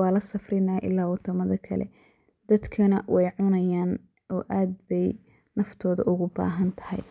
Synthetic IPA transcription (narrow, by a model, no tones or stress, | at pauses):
ɑːlɐsɐfrɪnaːʔɪ̰lːaːwɑt̪ʰɐmɐðɐkʰɐ̰lɛ̰ | d̪̥ɐd̪kʰɐnɐwɛjʕʊnɐjaːn | ʔɔːʔaːd̪bɛj | nɐft̪ʰɔːðɐ̰ʔʊɣʊba̰ːɦɐnt̪ʰɐ̥hɛ̰j